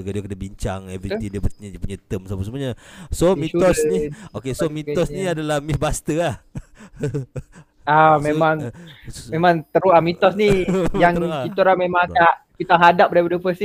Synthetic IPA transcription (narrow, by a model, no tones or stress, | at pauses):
ɡadiakənəbiɲt͡ʃa̰ŋɛvɾiiŋdp̪uɲpuɲat̪əmsapəsəmuaɲasomiɔsniokesomit̪ɔsniadalahmibast̪əah | amemaŋ | memãŋt̪əɾuamit̪ɔsnijaŋkit̪ɔɾahmemaŋaaʔpit̪aŋɦadap̚dapadəpəsi